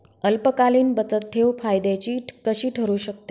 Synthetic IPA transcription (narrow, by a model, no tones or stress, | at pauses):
əlpəkaliːnbət͡sət̪ʰːewfajd̪at͡ɕiːkəɕiːʈʰəɾuːɕək̚t̪e